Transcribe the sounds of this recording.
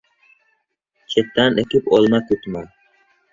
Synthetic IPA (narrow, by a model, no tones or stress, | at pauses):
t͡ʃʰet̪ːanekʲɪpolˠmakut̪ma